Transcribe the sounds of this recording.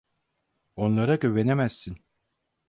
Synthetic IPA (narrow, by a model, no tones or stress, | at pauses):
o̞nlˠaɾaɟøve̞nemæsːin